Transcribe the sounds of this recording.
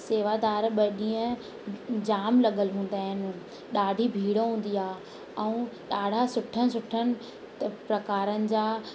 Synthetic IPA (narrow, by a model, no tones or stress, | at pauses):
seːʋaːd̪aːɾɓɐɗĩːə̃ | d͡ʑaːmlɐɠəlɦũːn̆d̪aːɦɪnɪ̆ | ɗaːɖʱibʱiːɽoɦũːn̆d̪iaː | ɛ̃ũɗaːɽ̤ʱasʊʈʰənɪ̆sʊʈʰənɪ̆ | t̪pɾɐkaːɾənɪ̆d͡ʑaː